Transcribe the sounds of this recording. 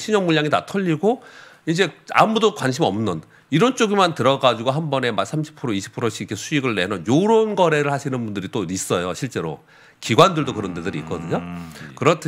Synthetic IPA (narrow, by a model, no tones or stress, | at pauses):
ɕʰiɲʌŋmuʎːjaŋita̰tʰʌʎːiɡoind͡ʑe̞a̰mudokwanɕʰimʌmnɯn | iɾʌnt͡ɕ͈oɡimantɯɾʌɡad͡ʑuɡoɦambʌne̞masʰamɕʰi̥pʰɯɾoiɕʰi̥pʰɯɾoɕʰikʰesʰuiɡɯɭːenʌnjoɾonɡʌɾe̞ɾɯɭhaɕʰinɯnbundɯɾit͈ois͈ʌjoɕʰiɭt͡ɕ͈e̞ɾo̰ | kiɡwandɯɭdokɯɾʌndedɯɾiːk͈ʌdɯɲokɯɾʌtʰ